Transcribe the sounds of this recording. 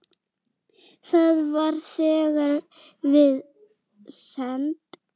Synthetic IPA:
θaðvaɾ̥θɛːɣaɾ | vɪð | sɛnt̪

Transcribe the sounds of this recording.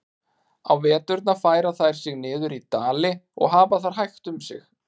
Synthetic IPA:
a̰wvɛːt̪ʏɾt̪nafaːjɾaθajɾ̥sɪɣnɪːðʏɾit̪aːlɪɔ̰ɣɦaːvaθaɾ̥ɦajxt̪ʏmsɪ̰x

